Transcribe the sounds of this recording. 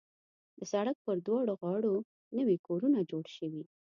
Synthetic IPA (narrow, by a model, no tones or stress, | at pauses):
d̪əsaɽak̚pəɾd̪wɑɽoɣɑɽo | nəwikoɾunad͡ʒoɽʃəwi